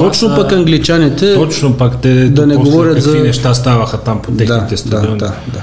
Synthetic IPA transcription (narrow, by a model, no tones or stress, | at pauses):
t̪ot͡ʃnʊpɐkɐŋɡlit͡ʃanit̪ʰɛt̪ot͡ʃnʊpakt̪ɛd̪ɐnɛɡovɔɾʲət̪zɐinɛʃt̪ast̪avɐxɐt̪ampʰot̪ɛd̪t̪ɛst̪aonad̪a